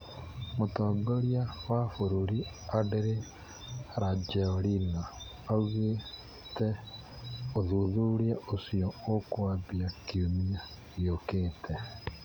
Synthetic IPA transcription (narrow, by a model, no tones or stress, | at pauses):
motɔːŋɡoɾjawafoɾoɾiadeɾe | ɾad͡ʒɛɔɾina | auɣe | tɛ | oðuðuɾiaʔosiɔokwabiakiumia | iokeːtʰɛ